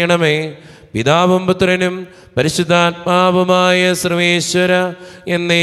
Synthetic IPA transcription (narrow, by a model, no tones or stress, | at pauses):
ɐɳɐme | ʋid̪aːʋɐmpɐt̪rɐnum | pɐɾiɕud̪ʱːaːt̪̚maːbɐmaːjɐsrɨʋeːɕʋɐɾɐenːe